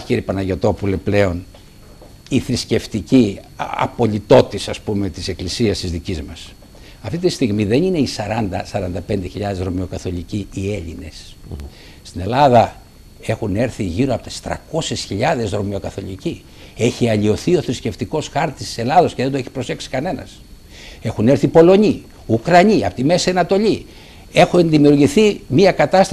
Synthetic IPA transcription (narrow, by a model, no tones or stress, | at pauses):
çiɾipɐnɐʝo̞t̪o̞pule̞ple̞o̞n | iθɾisce̞ft̪iciɐ̰po̞ʎit̪o̞t̪isɐspume̞t̪ise̞klisiɐst̪izðicizmɐs | ɐft̪it̪ist̪iɣmiðe̞nineisɐɾɐnd̪ɐsɐɾɐnd̪ɐpe̞nd̪e̞çiʎɐðe̞zɾo̞mio̞kɐθo̞ʎiciie̞ʎine̞s | st̪ine̞lɐðɐ | e̞xune̞ɾθiʝiɾoɐpo̞t̪e̥st̪ɾɐ̰ko̞sesçiʎɐðe̞zɾo̞mio̞kɐθo̞ʎici | e̞çiɐʎio̞θio̞θɾisce̞ft̪iko̞sxɐɾt̪isi̥se̞lɐðo̞sceðend̪oeçi̥pɾo̞se̞ksi̥kɐne̞nɐ̰s | e̞xune̞ɾθipo̞lo̞ɲi | ukɾɐɲiɐpot̪imesiɐnɐt̪o̞ʎi | e̞xuenðimiuɾʝiθimiɐkɐt̪ɐst̪